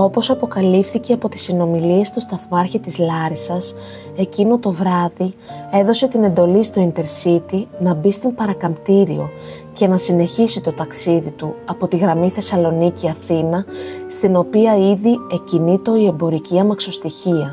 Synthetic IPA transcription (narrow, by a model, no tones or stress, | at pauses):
o̞po̞sɐpo̞kɐlifθice̞ɐpo̞t̪i̥sino̞milie̞st̪ust̪ɐθmɐɾçit̪izlɐɾisɐs | e̞cino̞t̪o̞vɾɐðie̞ðo̞se̞t̪ine̞nd̪o̞list̪o̞int̪e̞ɾsit̪inɐbist̪impɐɾɐkɐmt̪iɾio̞ | ce̞nɐsine̞çisit̪o̞t̪ɐksiðit̪uɐpo̞t̪iɣɾɐmiθe̞sɐlo̞niciɐθinɐst̪ino̞piɐiðie̞cinit̪o̞ie̞mbo̞ɾiciɐmɐkso̞st̪içiɐ